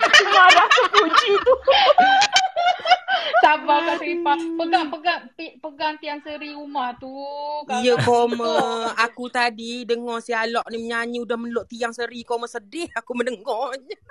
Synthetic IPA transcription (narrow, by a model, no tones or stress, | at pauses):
t͡ʃumadakukud͡ʒit̪u | sabakaʔsipapəɡaŋpəɡaŋt̪ipəɡaŋt̪iaŋsəɾiumaht̪uijəkoməakut̪adidəŋɔsialɔʔniməɲaɲudahmənloʔt̪iaŋsəɾikoməsədɪhakuməndəŋɡɔɲə